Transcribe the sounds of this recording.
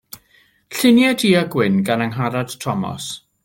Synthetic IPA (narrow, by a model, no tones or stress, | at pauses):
ɬɪnjadiːaɡwɪnɡanaŋɦaɾad̥tʰɔmɔ̰s